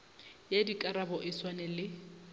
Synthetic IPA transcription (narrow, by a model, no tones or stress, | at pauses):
jadikʼaɾabɔʔɪswanɛlɪ